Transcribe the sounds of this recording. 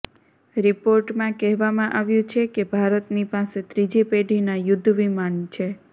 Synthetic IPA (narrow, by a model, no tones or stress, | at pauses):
ɾipoɾʈmãkɛɦʋamãʔaʋjũt͡ʃʰekebʱaɾət̪nipaset̪ɾid͡ʒipeɖʱinajʊd̪ʱːʋimant͡ʃʰe